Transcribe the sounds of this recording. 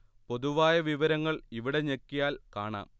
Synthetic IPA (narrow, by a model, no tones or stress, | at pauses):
po̞ðuʋaːjɐʋiʋɐɾɐŋːɐɭiʋiɽe̞ɲekːijaːlka̰ːɳa̰ːm